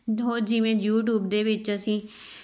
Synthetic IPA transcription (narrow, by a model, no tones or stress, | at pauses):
ɦoːd͡ʒɪʋẽːjuːʈ̬juːbd̪eːʋɪt͡ʃəsĩː